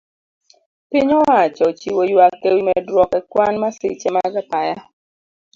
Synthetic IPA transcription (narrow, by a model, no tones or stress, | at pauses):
pɪɲɔwat͡ʃɔt͡ʃiwojwakːewimɛdɾwɔkɛkwanmasɪ̰t͡ʃɛmaɡapaja